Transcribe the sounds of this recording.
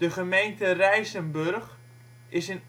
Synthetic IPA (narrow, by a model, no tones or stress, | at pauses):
dəχəmejntərɛjsənbørχ | ʔɪsɪn